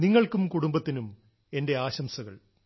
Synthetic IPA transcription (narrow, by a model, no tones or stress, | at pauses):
niŋːɐɭkumkuɽumbɐt̪ːinum | e̞nde̞aːɕɐmsɐɣɐ̰ɭ